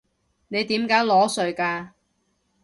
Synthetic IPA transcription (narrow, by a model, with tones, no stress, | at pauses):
ne˨˧jt̪iː˨˥mkaː˨˥jlɔː˨˥sɵ˨˧ɥkaː˧